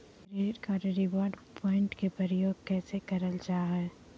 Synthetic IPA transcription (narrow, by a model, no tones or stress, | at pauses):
ɾeːɖkaɾɾɪʋɔːɾɖpʰɔːɪ̃ɳʈkepɾəɾəjoːɡ̚kɛːsekɐɾəld͡ʒaːɦɛ